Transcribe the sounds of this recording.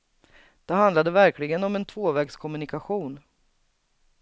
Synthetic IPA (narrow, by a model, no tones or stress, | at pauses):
d̪̥ɛɦand̪lad̪əvæɾkʰlɪɡənɔmɛnt̪ʰvoːvɛːɡskʰɔmɵnɪkaɧuːn